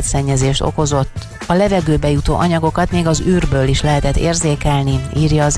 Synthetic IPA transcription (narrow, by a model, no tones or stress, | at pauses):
t̪sɛɲːɛzeːʃt̪o̞̰ko̞zo̞t̪ː | ɒlɛvɛɡøːbɛjut̪o̰ːʔɒɲɒɡo̞kɒt̪meːɡɒzyːrbøːliʃlɛɦɛt̪ɛt̪ːḛːrzeːkɛlniiːrjɒːz